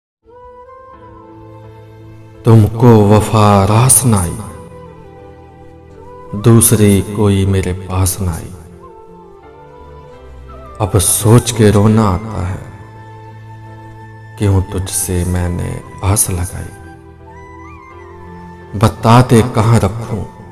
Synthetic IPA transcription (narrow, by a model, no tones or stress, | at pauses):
t̪ʊmkoʋɐfaɾaːsnaːḭː | d̪uːsɾikoːimeːɾepaːsna̰ːḭː | ɐbsoːt͡ʃkeɾoːnaaːt̪a̰ɦɛ̰ː | kjõːt̪ʊd͡ʒʱsemɛ̃ːnḛ | aːslɐɡa̰ːḭː | bɐt̪aːd̪ekɐɦãɾɐkʰũː